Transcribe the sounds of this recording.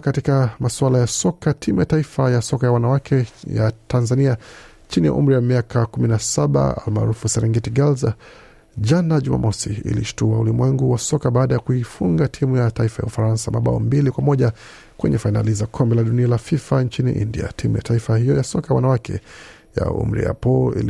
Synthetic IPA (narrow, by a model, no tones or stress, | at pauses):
katikamaswalajasɔkatʰimujataifajasɔkajawanawakʰɛja̰tʰanzania | t͡ʃinija̰ʔṵm̩ɾijamiakʰakuminasaɓa̰a̰lma̰ːɾufusɛɾɛŋɡɛtiɡalza | ʄanaʄuma̰mʔɔsiḭliʃu̥tuaulimwɛŋɡuwasɔkaɓaːɗajakuifuŋɡatʰimujataifaja̰ufaɾansamaɓa̰ɔ̰mbilikwamɔʄa | kwɛɲɛfaina̰lizakʰɔmbɛlaɗunialafifant͡ʃinḭʔḭndḭa̰tʰimujataifahijɔjasɔkajawanawakʰɛ̰ | ja̰ṵm̩ɾḭja̰pɔlḭl